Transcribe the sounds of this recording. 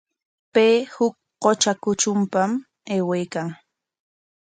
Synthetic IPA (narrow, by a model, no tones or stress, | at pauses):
peːhʊk̚ | qot͡ʃakʊt͡ʃʊmpam | eːwajkaŋ